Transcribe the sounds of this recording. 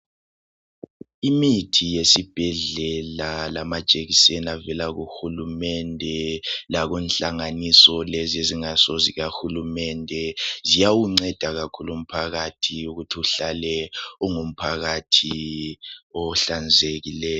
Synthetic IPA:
imitʰijesib̥ʱɛɮɛlalamḁt͡ʃʼeɣisɛnavɛlaɣuxulumɛndʱɛlaɣɛnɬaŋanisɔlezieziŋasoziɣaxulumɛndʱɛzijawuŋ͡ǀɛd̥ʱaɣakʰulum̩pʰaɣatʰiuɣutʰiuɬalɛɔŋum̩pʰaɣatʰi | ɔɬand͡zʱeɣilɛːjɔ

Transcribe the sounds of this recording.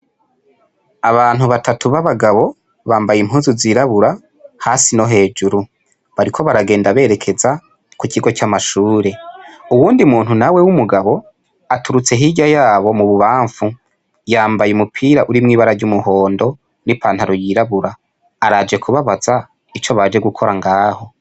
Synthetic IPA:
aβaːn̥huβatatuβaβaɡaβo̞ | βaːmbajimhuːnzuziːɾaβuɾa | haːsino̞ɦe̞ːd͡ʒuɾu | βaɾikʰo̞βaɾaɡe̞ːndaβe̞ːɾe̞kʰe̞za | kukiɡo̞camaʃuːɾe̞uwuːndimuːn̥hunawe̞wumuɡaβo̞ | atuɾut͡se̞ɦiɟajaːβo̞muβuβaːɱfu | jaːmbajumupʰiːɾaʔuɾimŋiːβaɾaɟumuho̞ːndo̞ | nipaːn̥haɾojiɾaβuɾaː | ɾad͡ʒe̞kʰuβaβaza | it͡ʃoβad͡ʒe̞ɡukʰo̞ɾaŋɡaːho̞

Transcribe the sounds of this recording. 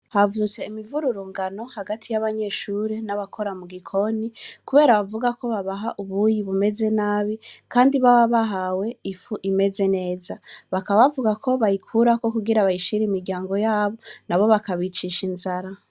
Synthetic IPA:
havut͡se̞imivuɾuɾuːŋɡano̞haɡatʰijaβaɲe̞ʃuːɾenaβakʰo̞ɾamuɡikʰo̞nikuβe̞ːɾaβavuɡako̞βaβaɦaʔuβuːjiβume̞ze̞naːβikaːndiβawaβaɦawe̞ifuʔime̞ze̞ne̞ːzaβakaaβavuɡakʰo̞βajikʰuɾako̞kuɡiɾaβajiʃiɾiimiɾɟaːŋɡo̞jaːβo̞naβo̞βakaβit͡ʃiʃinzaɾa

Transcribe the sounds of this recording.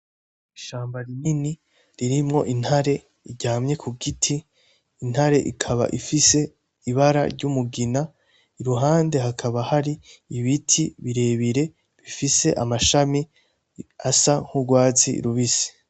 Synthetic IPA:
iʃaːmbaɾinini | ɾiɾimŋo̞̰ʔinhaɾe̞ | iɟaːmɲe̞kʰuɡitʰiː | n̥haɾe̞ʔikʰaβa̰ʔifise̞ | iβaɾa̰ɾɟumuɡina | iɾuɦaːnde̞ɦakʰaβahaɾiːβitʰiβiɾe̞ːβiɾe̞ | βifise̞ʔamaʃami | asaŋ̥huɡwaːzḭɾuβisi̥

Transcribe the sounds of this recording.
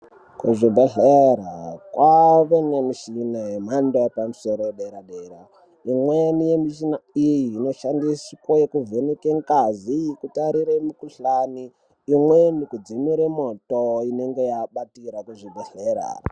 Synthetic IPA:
kuʐibʱeɬeɾakwaʋenemiʃinajem̤andaepamuso̞ɾoeɗeɾaɗeɾa | imwenijemiʃinaijiːno̞ʃandisikojekuvenekeŋkaziikutaɾiɾemukuɬaniː | mwenikud͡zimiɾemotoine̞ŋɡe̞jaɓatiɾakuʐibʱeɬeɾa̰

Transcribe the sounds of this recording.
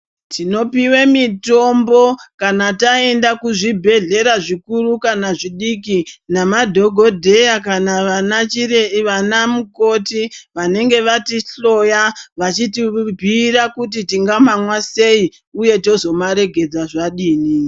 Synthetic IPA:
tino̞piwemito̞mbo̞kanatae̞ndakuʐibʱe̞ɮe̞ɾaʐikurukanaʐiɗikinamadʱo̞ɡʱo̞dʱe̞jakanaʋanat͡ʃireʋanamuko̞tiʋane̞ŋɡe̞ʋatiɬo̞jaʋat͡ʃitibʱiɾakutitiŋɡamamwase̞i | uje̞to̞zo̞maɾe̞ɡʱe̞d͡zaʐaɗiːni

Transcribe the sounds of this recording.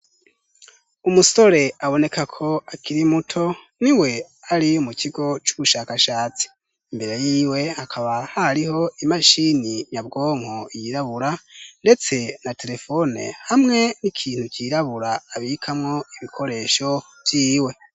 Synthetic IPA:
umuso̞ɾe̞aβo̞ne̞kakʰo̞akʰiɾimutʰo̞nwiwe̞ | aɾiumukʰiɡo̞t͡ʃuβuʃakaʃaːt͡si̥ː | mbe̞ɾe̞jiːwe̞hakʰaβahaɾiho̞imaʃiniɲab̚ɡo̞ːŋ̥hoijiɾaβuɾande̞t͡se̞nate̞ɾe̞fo̞nḛhamŋe̞nikʰiːn̥hukʰiɾaβuɾaːβikʰamŋo̞iβikʰo̞ɾe̞ʃo̞ | vjiːwe̞

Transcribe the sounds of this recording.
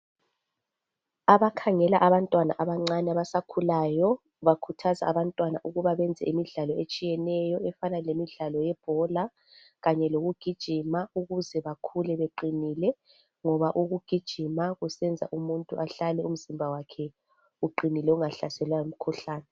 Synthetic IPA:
aβakʰaŋɛlaʔaβantʼwana̰ʔaβaŋ͡ǀanɛaβasakʰulajɔ | βakʰutʰaza̰aβantʼwana̰ʔuɣuβaβɛnd͡zʱɛ̰imiɮalɔʔet͡ʃʼijɛnɛjɔɛfanalemiɮalɔjɛb̥ʱɔla | ɣaɲɛloɣuɡ̥ʱid̥ʒ̥ʱimauɣuzɛβakʰulɛβeǃinilɛ | ŋɔβaʔuɣuɡ̥ʱid̥ʒ̥ʱimaɣusɛnd͡zʱa̰ʔumuntʼuʔaɬalɛum̩zimbʱawakʰɛ | uǃinilɛuŋaɬasɛlwajum̩kʰuɬaːnɛ

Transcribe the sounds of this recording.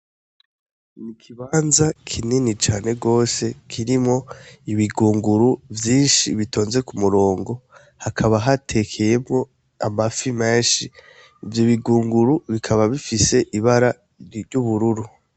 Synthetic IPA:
nikʰiβaːnzakʰininit͡ʃaːne̞ɡo̞ːse̞kʰiɾimo̞iβiɡuːŋɡuɾuvjiːnʃiβito̞ːnze̞kumuɾo̞ːŋɡo̞ | hakʰaβaɦatʰe̞kʰe̞je̞mŋo̞ | amafimeːnʃi | ivjoβiɡuːŋɡuɾuβikʰaβaβifise̞ʔiβaɾa | juβuɾuɾu

